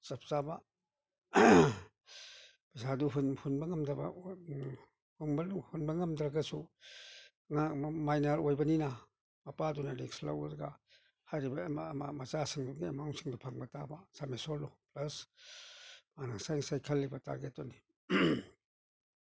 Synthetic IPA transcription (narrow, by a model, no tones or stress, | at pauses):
sɐp̚ʰzaba | pɐsaduɦunhunbɐŋɐmdɐba̰ | hunbhunbɐŋɐmdɾaɡɐsu | ŋamajnɐɾojbɐnina | mɐpadunaɾeksla̰wɐ̰ɾɡa̰ | hajɾibɐmamamɐt͡ʃasɯŋduɡimaɔŋsɯŋdupʰaŋbɐtabasamesolːuplɐs | manaŋsajŋsajkʰɐlːibɐta̰ɾɡet̚ːɔni